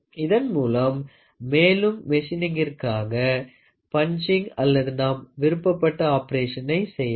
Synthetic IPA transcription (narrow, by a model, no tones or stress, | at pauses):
ɪðɐnmuːlɐmː | eːlɯmːɛʂɪnɪŋɡɪrkaːɣɐ | pɐnt͡ʃɪŋɡɐlːɐðɯnaːmʋɪɾɯpːɐpːɐʈːɐaːpɐɾeːʂɐnɐɪsɛjːɐ